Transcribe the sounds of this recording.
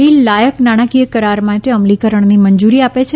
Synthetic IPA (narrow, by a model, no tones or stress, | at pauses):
ilajəknaɽ̃akijəkəɾaɾmãʈeəmlikəɾəɳnimənd͡ʒuɾiapet͡ʃʰe